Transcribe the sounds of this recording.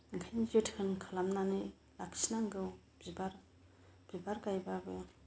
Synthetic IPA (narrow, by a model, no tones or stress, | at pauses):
ŋkʰajnd͡ʒɯtʰhʰɯnkʰalamnanɯ | lakʰsnaŋɡɯw | bibaɾ | b̥ibaɾkajbabɯj